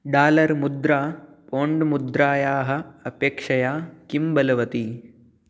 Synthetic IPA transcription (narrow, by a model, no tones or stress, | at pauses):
ɖaːlɐɾmud̪ɾaː | poːɳɖmud̪ɾaːjaːɦɐ̆ɐpeːkʂɐjaːkimbɐlɐʋɐt̪i